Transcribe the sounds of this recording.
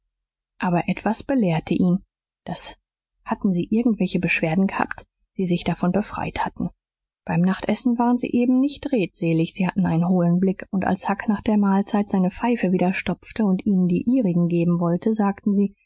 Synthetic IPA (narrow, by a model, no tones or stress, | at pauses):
ʔaːbɐʔɛtv̥asb̥əleːɐtʰəʔiːn | d̥as | hatn̩ziːʔɪɐɡŋ̩tv̥ɛlçəbəʃv̥eːɐdn̩ɡəha̰ːpt | d̥iːzɪçd̥afɔnbəfʁ̥a̰ɪthatn̩ | b̥aɪmnaχtʔɛsn̩vaːʁənzḭːʔeːbm̩nɪçtʁeːtz̥eːlɪçz̥iːhatn̩aɪnənɦoːlənblɪkʊntʔa̰lshaknaːχd̥eːɐmaːlt͡saɪtz̥aɪnəp͡faɪfəviːdɐʃtɔpp͡ftəʊntʔiːnəndḭːʔiːʁɪɡŋ̩ɡeːbm̩vɔltəzaːktn̩ziː